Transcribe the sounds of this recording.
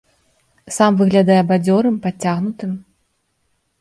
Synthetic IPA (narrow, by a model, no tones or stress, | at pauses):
samvɨɣlʲad̪ajɛɐbad͡zʲɔɾɨmpat͡sʲːaɣnut̪ɨm